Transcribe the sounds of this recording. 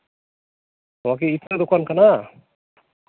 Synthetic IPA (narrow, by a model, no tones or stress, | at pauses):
t̪ɔwak̬iit̪ɾad̪ukwankana